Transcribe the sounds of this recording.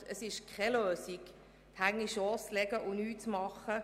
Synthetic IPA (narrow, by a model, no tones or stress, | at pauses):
əsɪʃkʰχɛløːsik | t̪ʰhaɪɡəŋniʃɔːst͡slɛɡəʔʊnyːtt͡smɑχə